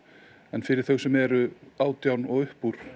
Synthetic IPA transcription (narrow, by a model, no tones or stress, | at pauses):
ɛnfɪɾɪɾ̥θəɥwsɛmɛɾʏaːwt̪jawnɔɣʏhpuɾ̥